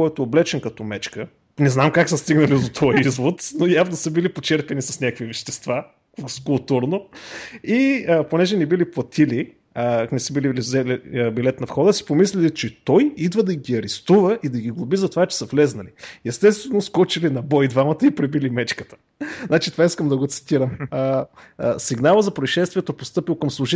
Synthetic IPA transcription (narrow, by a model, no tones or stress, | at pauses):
ɔjt̪oːblɛt͡ʃɛnkɐt̪ɔmɛt͡ʃkə | nɛznamkaksəst̪iɡnəlid̪ot̪ʰɔjɛizvot̪nojavnosəbilipot͡ʃɛɾpɛnisɐsnʲakvivɛʃt̪ɛst̪va | kʊlˠt̪uɾno | iəponɛʒɛnɛbiliplˠɐt̪ʰili | nɛsəbililizɛlibilɛt̪nɐfxɔd̪əsi̥pomislʲɛlit͡ʃɛt̪ɔjid̪vəd̪ɐɡiɐɾɛst̪uvəʔid̪ɐɡiɡlˠʊbizɐt̪ovat͡ʃɛ̥sɐflɛznɐliɛst̪ɛst̪vɛnoskɔt͡ʃilinɐbɔjd̪vamɐt̪əipɾɛbilimɛt͡ʃkət̪ə̥ | znat͡ʃit̪ovaiskəmd̪ɐɡot̪si̥t̪iɾəm | siɡnalˠəzɐpɾoiʃɛst̪viɛt̪opost̪ɤpilˠkəmslˠʊʒi